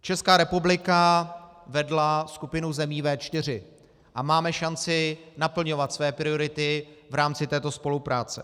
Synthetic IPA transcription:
t͡ʃɛskaːɾɛpublɪkavɛdlaskupɪnuzɛmiːvɛːt͡ʃt̪ɪr̝ɪ | ʔamaːmɛʃant͡sɪnapl̩ɲo̞vat̪svɛːpɾɪo̞ɾɪt̪ɪvɾaːmt͡sɪt̪ɛːt̪o̞spo̞lupɾaːt͡sɛ

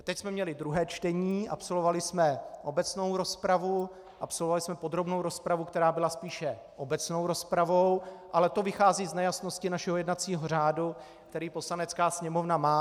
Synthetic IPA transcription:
t̪ɛcsmɛmɲɛlɪd̪ɾuɦɛːt͡ʃt̪ɛɲiːʔa̰pso̞lovalɪsmɛʔo̞bɛt͡sno̞wɾo̞spɾavu | ʔapso̞lvovalɪsmɛpo̞d̪ɾo̞bnowɾo̞spɾavukt̪ɛɾaːbɪlaspiːʃɛ | ʔo̞bɛt͡sno̞wɾo̞spɾavo̞wʔalɛt̪o̞vɪxaːziːznɛjasno̞scɪnaʃɛɦojɛdnat͡siːɦor̝aːdu | kt̪ɛɾiːpo̞slanɛt͡skaːsɲɛmovnamaː

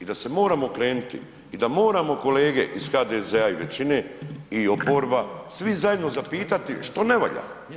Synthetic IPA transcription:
id̪ase̞mo̞ːɾamo̞kɾe̞ːnut̪ḭ | id̪amo̞ːɾamo̞ko̞leːɡe̞ʔisxaːd̪ezeaiʋe̞̰t͡ɕine̞io̞po̞ːɾbasʋizaje̞d̪no̞zapiːt̪at̪iʃt̪o̞neʋo̰ʎa̰

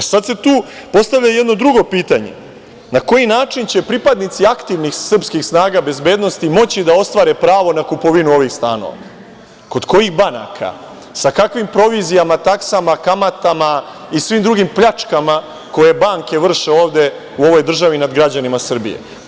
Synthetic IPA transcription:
sad̪set̪uːpo̞st̪aʋʎajed̪no̞d̪ɾuɡo̞piːt̪aɲḛ | nako̞jinaːt͡ʂint͡ɕe̞pɾipad̪nit̪siakt̪iʋnixsr̩pskixsnaːɡabe̞zbe̞ːd̪no̞st̪imo̞t͡ɕid̪ao̞st̪ʋaːɾepɾaːʋo̞nakupo̞ʋinuo̞ʋixst̪a̰ːno̰ʋa̰ | ko̞d̪ko̞jixbana̰kʰa̰ | sakakʋimpɾo̞ʋizijamat̪aksamakamat̪ama | isʋimd̪ɾuɡimpʎat͡ʂkama | ko̞je̞baŋke̞ʋr̩ʃeo̞ːʋd̪e̞ | uo̞ʋo̞jd̪r̩ʒaʋinad̪ɡɾad͡ʑanimasr̩bḭjḛ

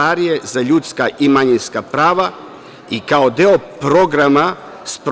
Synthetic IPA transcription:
aɾije̞zaʎut̪skaʔimaɲinskapɾaːʋa | ikaod̪eopɾo̞ɡɾama | spɾ

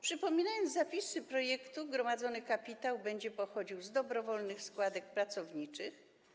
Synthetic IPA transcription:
pʂɘpɔmʲinajɔnd̪zzapʲisɘpɾɔjɛkt̪uɡɾɔmad̪zɔnɘkapʲit̪awbɛɲd͡ʑɛpɔxɔd͡ʑiwzd̪ɔbɾɔvɔlnɘxskwad̪ɛk̚pɾat̪sɔvɲit͡ʂɘx

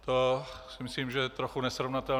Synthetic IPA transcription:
t̪osɪmɪsliːmʒɛt̪ɾoxunɛsɾovnat̪ɛl

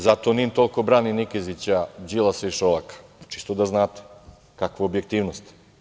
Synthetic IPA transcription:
zat̪onint̪olˠkobɾaːninikezit͡ɕad͡ʑilˠaseiʃolakḁt͡ʃi̥st̪od̪aznaːt̪e̥ | kakʋaobjek̚t̪iːʋnost̪

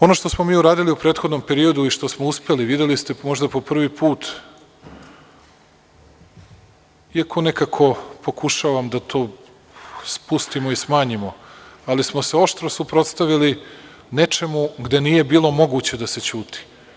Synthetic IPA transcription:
o̞noʃt̪osmo̞miːuɾaːd̪iliupɾeːt̪xod̪no̞mpe̞ɾio̞d̪uiʃt̪o̞smouspe̞liʋid̪jelist̪e̞mo̞ʒd̪apo̞pr̩ʋipʰuːt̪ | iakʰo̞ne̞kakʰo̞po̞kuʃaʋamd̪at̪ʰo̞ː | spust̪imo̞ismaːɲimo̞alismose̞o̞ʃt̪ɾosupɾo̞t̪st̪aʋili | ne̞t͡ʃe̞muɡd̪e̞niːje̞biːlˠo̞mo̞ɡut͡ɕe̞d̪ase̞t͡ɕuːt̪i̥

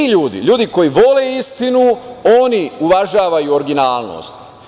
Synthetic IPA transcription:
iʎuːd̪ḭʎuːd̪iko̞jiʋo̞leist̪inuo̞niuʋaʒaːʋajuoɾɡinaːlˠno̰ːst̪

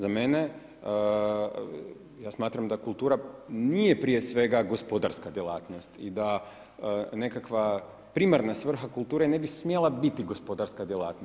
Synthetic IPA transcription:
zame̞ne | jaːsmaːt̪ɾamd̪akulˠt̪uːɾanije̞pɾije̞sʋe̞ɡaɡo̞spod̪aɾskad̪jelˠa̰ːt̪nost̪id̪a | ne̞kakʋa | pɾimaɾnasʋr̩xakulˠt̪uːɾe̞ne̞bismjelˠabit̪iɡo̞spo̞d̪aɾskad̪jelˠa̰ːt̪no

